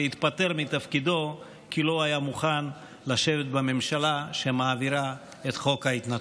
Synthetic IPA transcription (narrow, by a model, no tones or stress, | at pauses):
it̪pat̪e̞ʁmit̪afkid̪o̞ | kilo̞ajamuχan | laʃe̞vet̪̚bame̞mʃalaʃemaːviɾa | et̪χo̞khait̪nat